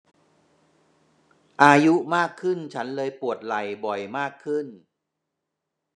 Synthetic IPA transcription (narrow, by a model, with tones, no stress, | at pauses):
ʔaː˧ju˦˥ʔmaː˥˩kʰːɯ˥˩nt͡ɕʰa˦˥nlɤː˧jpu˨˩ət̪̚la˨˩jbɔ˨˩jmaː˥˩kʰːɯ˥˩n